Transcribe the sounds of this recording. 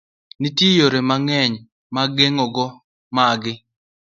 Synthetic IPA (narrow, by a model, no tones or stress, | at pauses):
nitjijoɾemaŋɛɲ | maɡeŋɔɡɔ | maɡɪ